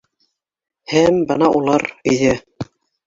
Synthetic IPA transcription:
hæmbɤnɑʔulˠɑɾiðɘ

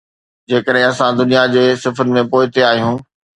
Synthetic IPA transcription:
d͡ʑeːkəɗɦɪ̃ɐsãd̪ʊnijad͡ʑeːsɪfɾɪmẽpoːɪt̪eaːɦijũː

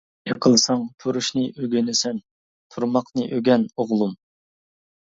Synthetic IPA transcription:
eqʰəlˠsɑŋt̪ʰuɾuʃnɨʔøɡʲynɪsɛn | t̪ʰuɾmɑqnɨʔøɡʲɛnoʁlˠum

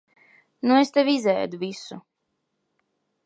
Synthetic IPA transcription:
nuest̪evʲizɛ̰ːd̪uvisu

